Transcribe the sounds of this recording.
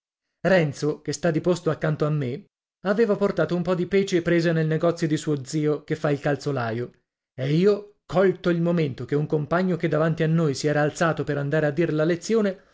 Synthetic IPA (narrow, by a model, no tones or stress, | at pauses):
rɛnt̪sokest̪ad̪ipost̪oakːant̪oamːe | aveːvaport̪aːt̪oumpɔd̪ipɛːt͡ʃepɾeːzanelneɡɔt̪sjod̪isuod̪ziːokefːailkalt̪solaːjo | eiːo | kɔlt̪oilmoment̪okeuŋkompaɲːok̟ed̪ːavant̪ianːojsiɛːɾaːlt̪saːt̪opeɾand̪aːɾead̪ːiːɾelalet̪sːjoːne